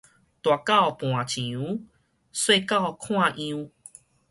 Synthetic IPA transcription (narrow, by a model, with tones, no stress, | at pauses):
t̪wa˨ka˥˦˨ɔ˨˧pw̃ã˨t͡ɕĩ˨ũ˨˦ | swe˥˧˨ka˥˨ɔ˧kʰw̃ã˥˧ʔĩ˧u˧